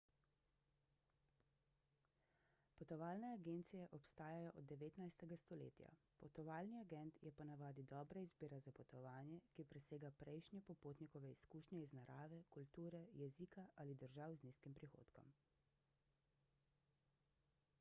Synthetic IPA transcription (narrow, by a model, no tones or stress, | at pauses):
pɔt̪ɔʋaːlnɛaɡeːnt̪sijɛʔɔpst̪aːjajɔʔɔd̪ːɛʋeːt̪najst̪ɛɡast̪ɔlḛːt̪ja̰ | pɔt̪ɔʋaːlniaɡɛnt̪jɛpɔnaʋaːd̪id̪ɔːbɾaizbiːɾazapɔt̪ɔʋaːnjɛkipɾɛseːɡapɾɛjʃnjɛpɔpoːt̪nikɔʋɛiskuːʃnʲjɛiznaɾʔaːʋɛkult̪uːɾɛjɛzikaʔalid̪əɾʒaːwzniskimpɾixo̰ːt̪kɔ̰m